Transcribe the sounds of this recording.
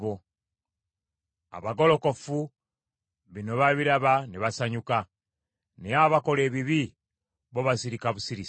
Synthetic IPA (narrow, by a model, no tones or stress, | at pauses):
βo | a̰βaɡo̞lo̞ko̞fu | βino̞βaβiɾaβaneβasaɲuka | nejaβako̞le̞ːβiβi | βoβasiɾikaβusiɾis